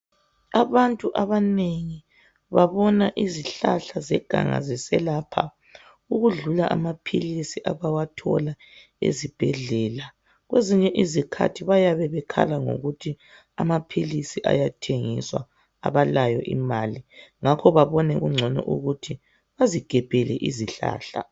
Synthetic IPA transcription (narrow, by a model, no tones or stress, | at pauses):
aβantʼuʔaβaneŋi | βaβɔnaʔiziɬaɬazɛɡ̥ʱa̰ŋa̰zisɛlapʰa̰ | uɣuɮulaʔamapʰilisiʔaβawatʰɔ̰la | ḛzib̥ʱɛɮɛːla | ɣweziɲɛʔizikʰa̰tʰiβajaβɛβɛkʰa̰laŋo̰ɣutʰi | amapʰilisiʔa̰jatʰeŋiswa | a̰βalajɔ̰ʔḭmaːliŋakʰɔβaβɔnɛɣuŋ͡ǀʱɔnɔ̰ʔṵɣutʰi | βaziɡ̥ʱɛb̥ʱɛlɛʔiziɬa̰ːɬa̰